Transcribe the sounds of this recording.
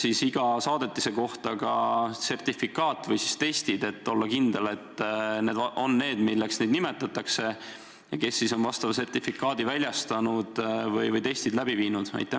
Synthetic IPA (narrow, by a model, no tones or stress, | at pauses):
sisiɡ̥ɑsɑːd̪̥e̞t̪ːˑise̞ko̞ht̪ɑkɑse̞rt̪ifːikːˑɑːt̪ːˑvɤjsist̪e̞jst̪id̪e̞t̪ːo̞lːɑkind̪̥e̞le̞t̪ːne̞ːd̪ɑo̞nːe̞ːd̪milːeksned̪nime̞t̪ːˑɑt̪ːɑkse̞ | jɑke̞sːiso̞nvɑst̪ɑvɑse̞rt̪ifːikːˑɑːd̪ivælʲjɑst̪ɑnud̪̥vɤjvɯjt̪e̞jst̪id̪læb̥iviːnud̪̥æ̰jt̪ːˑe